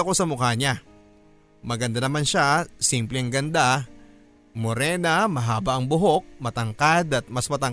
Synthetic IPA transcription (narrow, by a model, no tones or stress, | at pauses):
ɐko̞sɐmʊkaɲa | mɐɡɐnd̪anɐmanʃasimplɛɐŋɡɐnd̪a | moɾɛːnɐmɐɦaːbɐʔɐŋbʊɦo̞k̚mɐt̪ɐŋkad̪ɐt̪̚mɐsmɐt̪ɐŋ